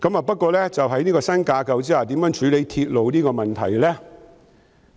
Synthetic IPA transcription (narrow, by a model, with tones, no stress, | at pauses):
kɐ˨˥maː˨˧pɐ˥t̚kʷɔː˧lɛː˥t͡sɐ˨wɦɐ˨˥jniː˥kɔː˧sɐ˥nkaː˧kɐ˨˧wt͡siː˥aː˨˩t̪iː˨˥mjœ˨˥ŋt͡ʃʰyː˨˥le˨˧jt̪ʰiː˧t̚lo˨˧wniː˥kɔː˧mɐ˨˩nt̪ʰɐ̰˨˩jlɛː˥